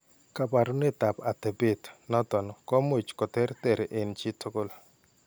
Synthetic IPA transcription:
ka˨pa˨ɾʊ˦nɪ˦t̪a˨pa˨t̪ɛ˨be˦t̪nɔ˦t̪ɔ˨nɔ˨kɔ˦mo˨t͡ʃkɔ˨t̪ɛ˦ɾt̪ɛ˨ɾe˨ʔe˨nt͡ʃɪ˦tʰʊ˦kʊ˦l

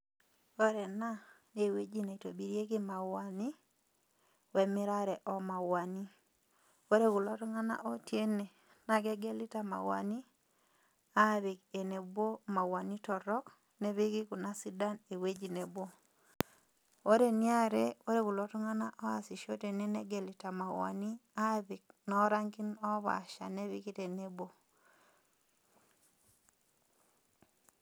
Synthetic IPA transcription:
o˦ɾɛ˨na˦ | ne˨we˦d͡ʒi˦na˨i˨to˨bi˨ɾje˦ki˦ma˨wa˨ni˦ | wɛ˨mɪ˦ɾa˦ɾɛ˨ʔɔ˦ma˨wa˨ni˦ | o˦ɾe˦ku˨lɔ˦tɔ˦ŋa˦na̰˦ʔo˦tje˦ne˨ | na˨ɡɛ˦ɡɛ˦li˦ta˨ma̰˨wa̰˨ni˦ | a˦˨βe˨ke˨ne˨bwo˦ma˨wa˨ni˦tɔ˨ɾɔ˦k | nɛ˦βi˦ki˦ku˨na˦si˦da˦ne˨we˦d͡ʒi˨ne˨bwo˦ | o˦ɾe˦nja˦ɾɛ˦o˦ɾe˦ku˨lɔ˦tɔ˦ŋa˦na˦ʔɔ˦a˨si˨ʃo˦te˨nɛ˦nɛ˦ɡɛ˨li˨ta˨ma˨wa̰˨ni˦a˦bi˨k̚nɔ˦ɾa˦ŋki˦nɔ˦βa̰˨ʃa̰˨nɛ˦βi˦ki˦te˨ne˦bwo˦

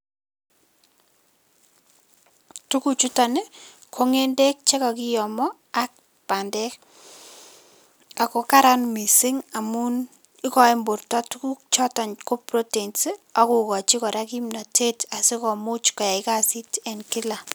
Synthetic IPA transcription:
tu˦ku˨t͡ʃu˦ta˨ne˦kʰo˦ŋe˦nde˦k̚t͡ʃe˦kɔ˨ki˦jɔ˨mɔ˦ | a˦k̚ | pa˨ndɛ˦k | a˨ko˨ka˦ɾa˦nmi˨si˦ŋa˨mu˦n | i˦kɔ˨ɪ˦mbʊ˨rtɔ˦tu˦ku˦t͡ʃɔ˦ta˨nko˦pɾo˦te˨nse˦a˨ku˨kɔ˨t͡ʃi˦kɔ˨ɾa˦ki˦mna˨tʰe˦ta˨se˦kɔ˨mʊ˦t͡ʃkɔ˨ja˨ɪ˦ka˦si˦tɛ˨nkɪ˦la˨

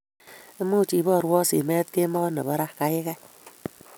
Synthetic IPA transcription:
e˦mu˦˨t͡ʃi˨bɔ˦˨ɾwɔ˦sḭ˨me˦t̪̚ke˦mɔ˦nɔ̰˨bɔ˦ɾa˦kka˦jɪ˦kɛ˦

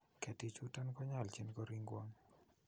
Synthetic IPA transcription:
kɛ˨ti˨t͡ʃʊ˦ta˦nkɔ˦ɲa˦˨lt͡ʃi˦nkɔ˦ɾi˦ŋɡwɔ˦ŋ

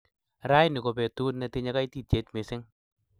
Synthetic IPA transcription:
ɾa˦jnɪ˨ko˨pɛ˨tu˦tnɛ˧tɪ˧˦ɲa˦ka˦jti˦te˨˦tmɪ˨sɪ˦ŋ

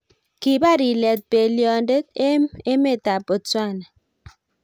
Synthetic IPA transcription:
ki˨ba˦˨ɾi˨lɛ˨t̚pe˨ljɔ˨nde˦t̚e˦e˦me˦˨ta˨pɔ˨t͡swa˦na˨

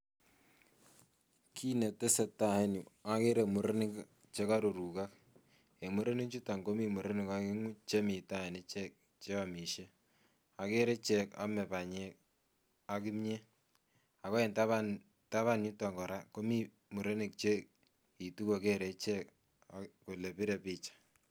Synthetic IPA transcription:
kʰi˦ne˨te˦se˨ta˨e˦nu˨a˦ke˦ɾe˨mu˨ɾe˦nɪ˦k | t͡ʃe˦ka˦ɾu˨ɾu˨ka˦k̚ | e˨mu˦ɾe˦ni˦t͡ʃu˦ta˨ŋɡo˦mi˦mu˨ɾe˦nɪ˨ka˦ki˦ŋu˦t͡ʃe˦mi˨ta˦˨ne˦t͡ʃɛ˦k̚ | t͡ʃe˦a˨mi˨ʃe˦ | a˨ke˦ɾe˦t͡ʃɛ˦ka̰˦mɛ˨pa˨ɲe˦ | a˦k̬i˦mɲe˦ | a˨ka˦e˨nta˦βa | ta˦βa˦nɲu˦ta˨ŋɡɔ˨ɾa˦ko˦mi˦ | mu˨ɾe˦nɪ˨k̚t͡ʃe˦ | i˨tu˦ko˨ke˦ɾe˨t͡ʃɛ˦k | ako˨le˨pi˦ɾɛ˨pi˦t͡ʃḁ˨

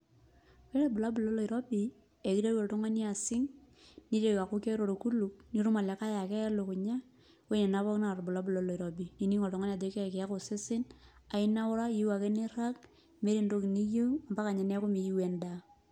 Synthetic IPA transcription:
ke˦ɾe˦bʊ˨la˦bʊ˨lo˦lo˨i˨ɾɔ˦bi˨ | e˨ki˦ɾe˦ɔ˨tɔ˦ŋa˦ni˦a˨sɪ˦ŋ | ni˦ɾe˦˨ka˨kʊ˦ke˦ɾo˨ɾku˦lu˨k̚ni˦ɾu˦ma˨lɛ˨ka˦ja˨kɛ˦ja˦lo˨kʊ˨ɲa˦ | we˦ɲe˨na˨˦βɔ˦kna˨ɾbʊ˨la˦bu˨lo˦lo˨i˨ɾɔ˨bi˨ni˨ni˦ŋɔ˨tɔ˨ŋa˦n˦a˨de˦kɛ˦˨kɪ˨a˦kʊ˨sɪ˦sɪ˦na˨ɪ˦na˦wʊ˦ɾa˦ji˦wa˨ke˦nɪ˦ɾa˦k | me˦ɾi˨ndo˦ki˨ni˦jo˦a˨mba˦ka˨ɲɛ˨nɛ˦kʊ˦mi˨ji˦wɛ˨nda˨

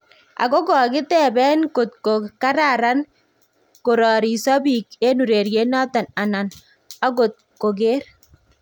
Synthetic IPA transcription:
a̰˨ɡo˦ɡɔ˨kɪ˦t̪ɛ˦˨bɛ˦nko˨t̪̚ko˨ka˦ɾa˨ɾa˦n | ko˨ɾɔ˨ɾi˨sɔ˦bi˨ke˦nu˨ɾe˨ɾje˦nɔ˦t̪a˨na˨na˨n | a˦ɡo˨t̪̚ko˨ɡe˦ɾ

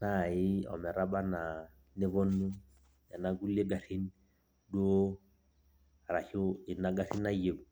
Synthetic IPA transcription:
na˦˨ɪ˦ɔ̰˨mɛ˨ɾa˦ba˦na˨ | nɪ˦βɔ˦nːu˦ | ja˨na˦ɡu˦le˦ɡa˨ri˦n˦ | do˦ | ɾa˨hʊ˦ɪ˨na˦ɡa˦ri˦n˦a˦je˦u˨

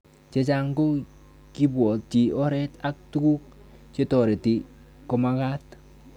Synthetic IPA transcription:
t͡ʃe˦t͡ʃa˦ŋɡo˦ | ki˦bwɔ˨t̚t͡ʃi˨ɔ˦ɾɛ˦ta˦k̚tu˦ku˦k̚ | t͡ʃe˦tɔ˨ɾe˨ti˨ | ko˨ma˦ka˦t

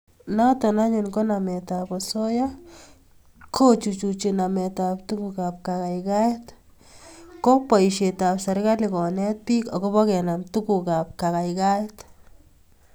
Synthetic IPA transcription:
natɔ˨na˦ɲʊ˨nko˦namɛ˨ta˨pɔso˦ja | kʰo˦t͡ʃu˨t͡ʃut͡ʃinamɛtap̚tukukap̚kaka˨jka˦jt | ko˦k̚pa˨iʃe˨ta˨psa˨ɾka˦likɔ˨nɛt̚pi˦kɔ˨kɔ˦βɔ˦kɛna˨m̚tu˦ku˨ka˨p̚ka˨ka˨jka˦t

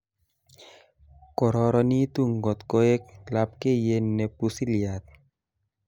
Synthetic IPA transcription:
kɔ˨ɾɔ˧ɾɔ˧ni˦t̪u˦ŋɡɔ˨t̪ko˦e˦k̚lap̚ke˦ije˦nːe˨pusi˦lia˨t̪̚

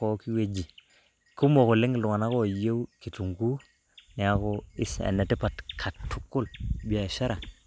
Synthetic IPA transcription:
o˨˦ki˦we˨d͡ʒi˨ | ku˦mo˨ku˨li˦ŋɡlu˨ŋa˨na˦ko˦˨je˦wki˨tu˨ŋku˦ | ni˨a˦ko˦i˦sḛ˨ne˨ti˦pa˨tkʰa˨tːu˦kːu˦lbi˦ja˨ʃa˦ɾa˨

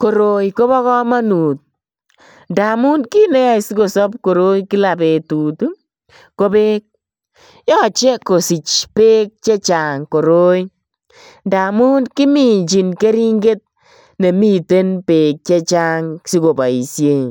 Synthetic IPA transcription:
ko˨ɾo˨jko˦βɔ˦kɔ˦ma˦nu˨t̚ | nda˨mu˦nki˦ne˦ja˦jsi˦ko˨sɔ˦p̚ko˨ɾo˦jki˦la˨pe˨tu˨tu˦ | ko˦pe˦k̚ | jɔ˦t͡ʃe˦ko˨si˨t͡ʃpe˦k̚t͡ʃe˦t͡ʃa˨ŋko˨ɾo˦j | nda˨mu˦nki˦mi˨ɲt͡ʃi˨nke˦ɾi˦ŋɡe˦t̚ | ne˨mi˦te˦npe˨k̚t͡ʃe˦t͡ʃa˦ŋsi˦ko˨ba˨i˨sje˨

